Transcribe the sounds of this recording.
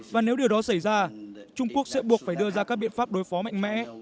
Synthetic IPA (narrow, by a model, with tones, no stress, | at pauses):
vaː˨˩ne˨˦wɗi˨˩əwɗɔ˨˦sa˧˩jzaː˧t͡ɕʊ˧ŋ͡mku˦˥ək̚sɛ̰˧˥ɓu˨˩ək̚faː˧˩jɗɨ˧əzaː˧kaː˦˥k̚ɓḭ˧˨ənfaː˦˥p̚ɗo˨˦jfɔ˨˦ma̰˧˨ŋ̟mɛ̰˧˥